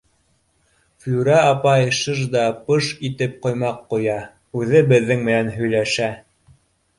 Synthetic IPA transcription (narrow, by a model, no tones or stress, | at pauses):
flʉɾæɑpɑjʃɤʒd̪ɑpɤʃit̪ɘp̚qŏjmɑqːŏjɑ | ʉðɘbɘ̆ðːɘŋmɘ̆nænɦɵ̆jlæʃæ